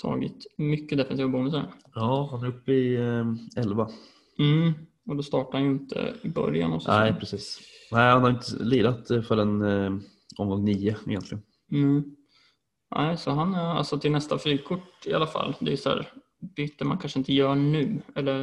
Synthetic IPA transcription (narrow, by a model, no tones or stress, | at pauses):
t̪ʰɑ̰ːɡɪ̰t̪mʏkːəd̪ɛfɛnsiːvabuːnəs̬æɾjɑːhanɛɾɵpːɪ | ɛlva | m̩ | ɔd̪ɔst̪ɑːʈahanjɵɪnt̪ʰə̰ɪbœ̰ɾja̰nɔ̰sæɪpʰɾɛsiːsnæɪhanhaɾjɪnt̪əliːd̪at̪fœɾɛn | ɔmɡɔŋniːəɛ̰jɛnt̪lɪɡən̩ | nʔæ̰ɪsɔɦana̰lsɔt̪ʰɪlnɛst̪afɾyːkʰʊʈːɪa̰lafa̰lːd̪ɛjsɔæ̰ːɾ | b̥yːt̪ːəɾmankʰanʂəɪnt̪əjœːɳʉ̟ːɛlːəɾ